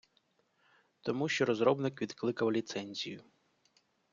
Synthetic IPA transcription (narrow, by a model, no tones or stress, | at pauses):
t̪ɔmuʃt͡ʃɔɾɔzɾɔbnɪkʋʲid̪klˠɪkɐwlʲit̪sɛnʲzʲijʊ